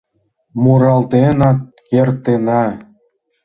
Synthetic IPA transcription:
muɾɑlt̪enɑt̪̚kert̪enɑ

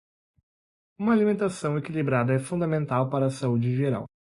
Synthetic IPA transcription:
ũmɐalimẽnt̪asɐ̃w̃ekilibɾad̪ɐɛfũnd̪amẽnt̪awpaɾɐːsaud͡ʒɪʒeɾa̰w

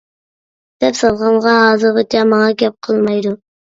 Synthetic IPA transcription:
d̪̥ɛpsɑlˠʁɑɴʁɑɦɑːzɨɾʁɨt̪ʰɛmɑŋɑkʲɛp̚qʰəlˠmɑjd̪ʊ

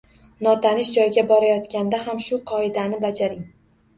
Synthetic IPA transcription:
nɒt̪ʰanɪʃd͡ʒɒjɪɡʲabɒɾajɒt̪kʲand̪aɦamʃʊqʰɒɪd̪anɪbad͡ʒaɾɪŋ

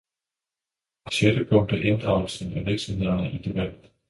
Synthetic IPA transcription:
ɕed̥əpʰɔŋ̰d̥əʔe̝nd̥ʁɑ̈ʊ̰lsenæʋeɐɡ̥sɒmhe̝ð̰ˠɐnəʔid̥e̝b̥æd̥

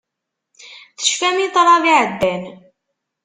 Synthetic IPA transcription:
θə̥ʃfæmit̪ˤɾˤɑviʕəd̪ːæn

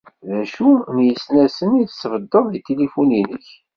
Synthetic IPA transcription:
ðæʃunjəsnæsəniðsəvəd̪ːəðit̪elifuninəç

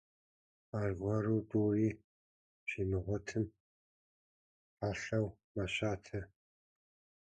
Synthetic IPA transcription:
aːrɡʷɐruːtʼuːriː | ʒ̥inɨʁʷɔtʰɨm | aːɬɐw | maɕaːtʰɐ

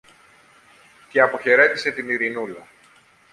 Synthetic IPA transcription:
ceɐpo̞çe̞ɾe̞t̪ise̞t̪iniɾinulɐ

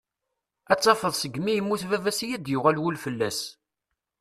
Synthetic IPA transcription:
æt͡sːɑfəðˤsəɡmijəmːuθvævæsijæd̪jʊʁælwulfəlːæs

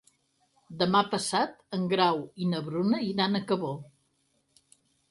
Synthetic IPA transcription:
d̪əmapəsat̪əŋɡɾawinəβɾunəiɾanəkəβo

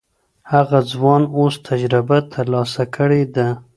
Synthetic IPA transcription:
haɣad͡zwɑnost̪ʰad͡ʒɾɪbat̪ʰəɾlɑsakəɽed̪a

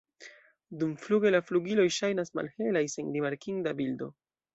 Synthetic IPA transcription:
dumfluɡe̞lafluɡilo̞jʃajnasma̰lhe̞lajse̞nɾimaɾkiŋdabildo̞̰

